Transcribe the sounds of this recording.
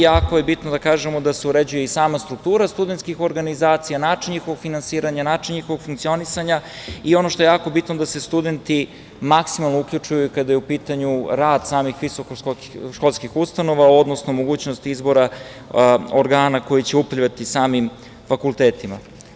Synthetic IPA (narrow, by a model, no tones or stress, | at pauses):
jaːkojebit̪nod̪akaːʒemo̞d̪aseuɾed͡ʑujeisaːmast̪ɾuk̚t̪uːɾast̪ud̪ent̪skixo̞ɾɡanizaːt̪sijanaːt͡ʃiɲɲixoʋoɡfinansiːɾaɲanaːt͡ʃiɲɲixo̞ʋoɡ̥fuŋkt̪sio̞nisaɲa | io̞noʃt̪o̞jejaːko̞bit̪nod̪ase̞st̪ud̪ent̪i | maksimalˠnoukʎut͡ʃujukad̪ajeupiːt̪aɲuɾaːd̪̥saːmixʋisokoo | ʃkolˠskixust̪ano̞ʋao̞d̪nosnomoɡuːt͡ɕnost̪izbo̞ɾa | oɾɡaːnako̞jit͡ɕe̞uplʲiʋat̪isaːmim | fakulˠt̪eːt̪ima̰